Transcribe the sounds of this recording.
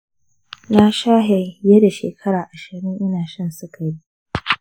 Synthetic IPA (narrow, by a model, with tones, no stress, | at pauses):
na˦ʃaː˦ɦe˨jɛ˦da˨ʃḛː˨kʰɐ˦ɽaː˨ʔa˨ʃɪ˨ɽɪ˦ŋʔɪ˦naː˨ʃɐ˦nsʊ˦kʰɐ˨ɽi˦ʔ